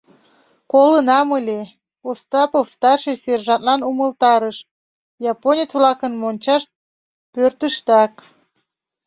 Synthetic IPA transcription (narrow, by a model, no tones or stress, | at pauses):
kolənɑməlʲe | ost̪ɑpofst̪ɑrʃeserʒɑnt̪lɑnuməlˠt̪ɑɾəʃ | jɑponʲet͡svlɑkənmonʲt͡ɕɑʃ̚ | pørt̪əʃt̪ɑk